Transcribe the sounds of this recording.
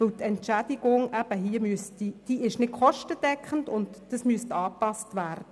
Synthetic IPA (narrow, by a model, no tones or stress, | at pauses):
əwt̪ɛntʃæd̥̪iɡʊŋʔæb̥əhiːəmystid̥iʔɪʃnɪtkχɔʃtəd̥ɛkχən̩dʊntd̥əsmyəst̪ɑːpɑstʋæːrd̥ə